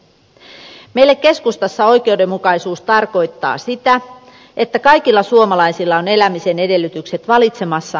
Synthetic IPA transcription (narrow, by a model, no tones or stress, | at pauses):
me̞ijlːekkːe̞skust̪ɑsːɑo̞jk̟e̞uwde̞mːukɑisuːst̪ɑrko̞jt̪ːɑ̰ːsit̪æ | e̞t̪ːækɑjkilːɑsuomɑlɑjsilːɑone̞læmise̞ne̞de̞lːyt̪ykse̞t̪ʋɑlit̪se̞mɑsːɑ